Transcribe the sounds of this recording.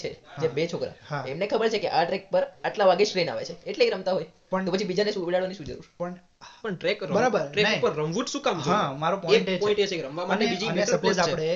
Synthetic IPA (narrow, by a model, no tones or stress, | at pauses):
t͡ʃʰed͡ʒebet͡ʃʰokɾa̰haemnekʰəbəɾt͡ʃʰekeʔaʈɾek̚pəɾaʈlaʋaɡed͡ʒʈɾena̰ʋḛt͡ʃʰeeʈlekɾəmt̪aɦojtpəɳopət͡ʃʰibid͡ʒanesuʋelaɭʋaniʃũd͡ʒə̰ɾṵɾpəɳ | pəɳʈɾekɾəbəɾabəɾʈɾekpəɾːəmʋutʃũkamɦt͡ʃamaɾopɔeʈepʰĩɳʈet͡ʃekɾəmʋamanebid͡ʒinəpoaɽ̃e